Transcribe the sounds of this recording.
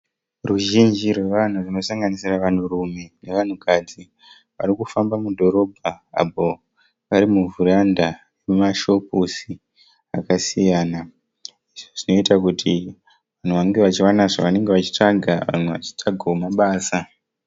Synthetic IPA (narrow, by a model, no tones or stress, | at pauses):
ruʒind͡ʒirwe̞ʋan̤urino̞saŋɡanisiraʋan̤urume̞ne̞ʋan̤ukad͡zi | ʋa̰ɾikufambamudʱo̞ɾo̞bʱaa̰po | ʋaɾimuvuranda | emumaʃo̞pusi | akasijaːna | iʐoʐino̞itakutʰi | ʋan̤uʋaŋɡe̞ʋat͡ʃiwanaʐaʋane̞ŋɡe̞ʋat͡ʃi̥t͡ʂaɡʱaʋa̰n̤uʋa̰t͡ʃi̥taɡʱaumaɓaːsa